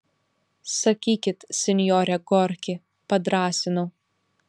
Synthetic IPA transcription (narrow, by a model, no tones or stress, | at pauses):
sɐkʲiːkʲɪt̪sʲɛnʲjɔːɾʲɛɡɔɾʲkʲɪ | pɐd̪ɾɑːsʲɪnʊ